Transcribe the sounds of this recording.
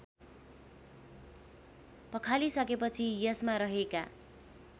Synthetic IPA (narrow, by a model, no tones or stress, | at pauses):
pʌkʰalisʌkepʌt͡sʰijʌsmaɾʌɦeka̰